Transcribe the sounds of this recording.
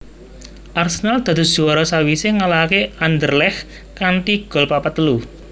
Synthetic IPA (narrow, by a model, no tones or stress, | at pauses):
ʔarsənald̪̥ä̤d̪ʊ̤d̥ʒ̥uwaɾɔsawiseŋalakeand̪ərlɛx | kant̪iɡ̥ɔ̤lpapat̪əlu